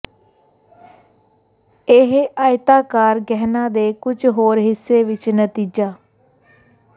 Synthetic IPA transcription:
eɦaːɪt̪aːkaːɾɡɛːɦnãːd̪eːkʊd͡ʒɦoːɾɦɪsːeːʋɪt͡ʃnət̪iːd͡ʒaː

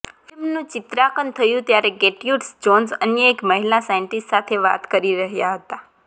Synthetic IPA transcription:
fɪlmnũt͡ʃɪt̪ɾakənt̪ʰəjũt̪jaɾeɡeʈjuʈsd͡ʒonsə̰njəekməɦilasajəɳʈisʈsat̪ʰeʋa̰t̪kəɾiɾəɦjaɦət̪a

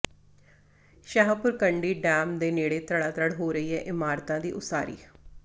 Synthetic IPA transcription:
ʃəɦapʊɾkəɳɖiːɖɛːmd̪eːneːɽeːt̪ɾəɽaːt̪ɾəɽɦoːɾəiːɦɛːʔɪmaːɾt̪ãːd̪iːʔʊsaːɾḭː

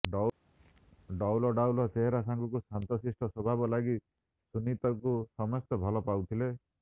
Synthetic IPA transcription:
ɖ | ɖɔwlɔɖawlɔt͡ʃeɦeɾasaŋkukusant̪ɔsɾisʈʰɔsɔbʱabɔlaɡi | sunit̪ɔkusɔmɔst̪ɔbʱɔlɔpawt̪ʰile

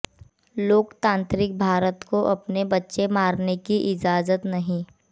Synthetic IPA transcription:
loːkt̪ãːnt̪ɾɪk̚bʱaːɾət̪koʔɐpnebɐtːʃemaːɾnekiʔɪd͡ʒaːzət̪nɐɦĩ

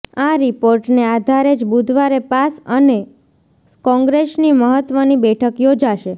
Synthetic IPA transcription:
aɾipoɾʈnead̪ʱaɾed͡ʒbud̪ʱʋaɾepasəne | kɔ̃ŋɡɾesniməɦət̪ʋənibɛʈʰəkjod͡ʒaʃe

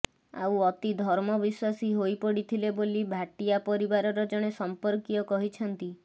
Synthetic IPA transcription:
a̰uɔt̪id̪ʱɔɾmɔbiswasiɦojpɔɽit̪ʰilebolibʱaʈijapɔɾibaɾɔɾɔd͡ʒɔɽ̃esɔmpɔɾkijɔkɔɦit͡ʃʰɔnt̪i

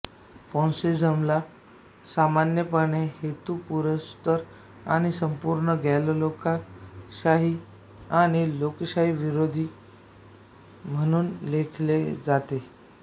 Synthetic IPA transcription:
fõnsid͡zəmla | samanjəpəɳeɦet̪upuɾəst̪əɾ | aɽ̃isəmpuɾɳəɡʱalolokaɕaɦi | aɽ̃ilokɕaɦiʋiɾod̪ʱiː | m̤əɽ̃uːnlekʰled͡zat̪e

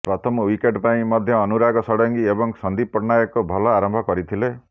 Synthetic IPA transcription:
pɾɔt̪ʰɔmɔwikeʈpaĩmɔd̪ʱjɔːnuɾaɡɔsɔɽɔŋkiebɔŋsɔnd̪ipɔɾnajɔkubʱɔlɔaɾɔmbʱɔkɔɾit̪ʰile

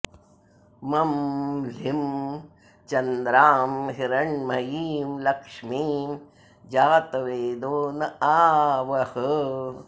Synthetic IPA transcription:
mɐmlim | t͡ʃɐnd̪ɾaːmɦiɾɐɳmɐjiːmlɐkʂmiːm | d͡ʑat̪ɐweːd̪oːnɐaːwɐhə

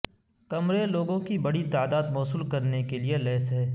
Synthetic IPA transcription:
kɐmɾeloːɡõkibɐɽit̪aːd̪aːd̪mɔːsuːlkɐɾnekelielɛːsɦɛː

